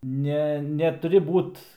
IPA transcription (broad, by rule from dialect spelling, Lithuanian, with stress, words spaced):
ˈnʲɛ nʲɛtʊˈrʲɪ ˈbuːt